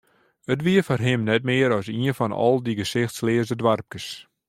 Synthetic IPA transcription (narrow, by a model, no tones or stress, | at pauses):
ətʋiəfɔrɦɪmnɛt̚mɪəɾɔsiənfɔnɔ̰lˠdiɡəsɪxtslɪəzdədʋarp̚kəs